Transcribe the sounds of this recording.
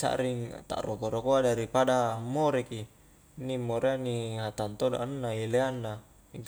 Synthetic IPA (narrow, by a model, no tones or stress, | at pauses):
sa̰ʔɾiŋt̪a̰ʔɾokoɾokoadaɾipadamːoɾeki | nːimːoɾʔeanːiɦat̪ant̪oda̰ʔnːaileanːa | iŋk